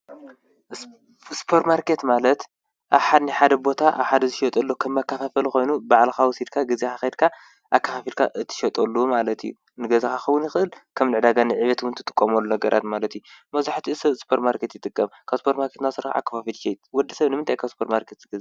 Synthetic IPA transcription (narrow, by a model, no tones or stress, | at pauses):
spʰoɾt̪maɾkʰe̞t̪malɐt̪ | ʔaβħad̪niħad̪ɐbo̞t̪ʰaʔa̰βħad̪ɐzɨʃɐt̪ʼɐlːokʰɐmːakːɐfafɐlxo̞jnubaʕlxawɔsid̪kʰaɡɨzexaxed̪̚kʰa | ʔakʰːɐfafilkʰa̰ʔɨt̪ʰɨ̥ʃɐt̪ʼɐlːumalɐt̪ʰijṵ | nɨɡɐzaxaxɐwʊnjɪxɨʔɨlkʰɐmlɨʕd̪aɡanɨʕiβɐt̪wʊnt̪ʰɨt̪ʼɨkʼːɐmɐlːunɐɡɐɾʔa̰t̪malɐt̪ijumɐzaħt̪ʰiɨsɐβspʰoɾt̪maɾkʰe̞t̪jɪt̪ʼɨkʼːɐmkʰaβspʰoɾt̪maɾkʰe̞t̪nasɨɾxaa̰kːɐfafilʃejt̪wɔd̪ːɐsɐβnɨmɨnt̪ʰajkʰaβspʰoɾt̪maɾkʰet̪z̥ɨɡɐz